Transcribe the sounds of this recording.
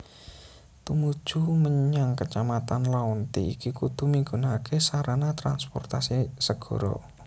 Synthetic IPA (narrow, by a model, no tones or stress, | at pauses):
t̪umud̥ʒ̥ṳməɲaŋkət͡ʃamat̪anlaɔnt̪iḭkikud̪̥ṳmiŋɡunakʰesaɾanat̪ɾanspɔ̰rt̪asisəɡ̥ɔ̤ɾɔ̰